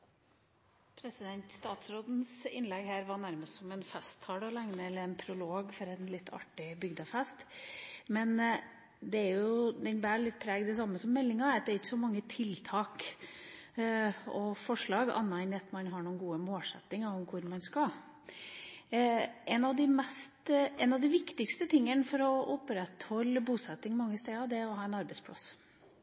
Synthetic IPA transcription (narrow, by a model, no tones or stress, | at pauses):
pʰɾɛsɪd̪ɛnt̪st̪ɑːt̪sɾoːd̪n̩sɪ̰nlɛɡhæːɾʋɑɳæɾməst̪sɔmɛnfɛst̪ʰhɑːɽɔlæŋnəɛlːəɾɛnpʰɾʊloːɡfɔɾɛnlɪt̪ːʰɑ̰ʈːɪbʏɡd̪ɑfɛst̪mɛn | d̪ɛæɾjʊd̪ɛnbæːlɪt̪̚ːpʰɾæːɡd̪ɛsɑmːəsɔmːɛlːɪŋɑɾt̪d̪ɛɾɪçːə̥sɔmɑŋːət̪ʰɪlt̪ʰɑːk | ɔfɔʂɭɑːɡɑ̰nːɑɪnːɪɑt̪mɑnɦɑɳuːənɡuːəmoːlsɛ̰t̪ːɪŋɑɔmkʰʊɾmɑnskɑ | ʔɛnɑʋd̪ɪmɛst̪ɛnɑʋd̪ɪʋɪkt̪ɪkst̪ət̪ʰɪŋːənfɔɾɔʔʊpɾɛt̪hɔlːəbuːsɛt̪ːɪŋmɑŋːəst̪eːɑd̪ɛɾɔhɑːɛɪnɑɾbɛɪspʰlɑ̰s